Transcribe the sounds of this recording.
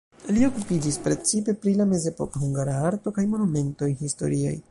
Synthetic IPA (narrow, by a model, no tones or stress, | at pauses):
lio̞kupid͡ʒispɾe̞t͡sipe̞pɾilame̞ze̞po̞kahuŋɡaɾaaɾtokajmo̞nume̞nto̞jhisto̰ɾia̰j